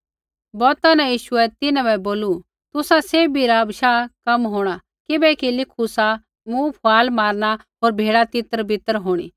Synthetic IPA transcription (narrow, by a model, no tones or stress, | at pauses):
bɔːt̪ãnɛ̃jiːʃʊɛt̪ɪnãbɛboːlu | t̪ʊsaseːbiɾabʃakɐmɦoːɽ̃a | kɪbɛkilɪkʰusa | mũpʰʊaːlmaːɾñaɦoːɾbʱeːɽat̪ɪt̪əɾbʱɪt̪əɾɦoːɽ̃ḭː